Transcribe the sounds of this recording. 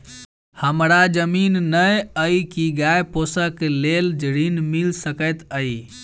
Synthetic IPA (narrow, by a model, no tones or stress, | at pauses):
həmɾad͡ʒəminːəjəikiɡaeposəkleld͡ʒɾinmilsəkət̪əi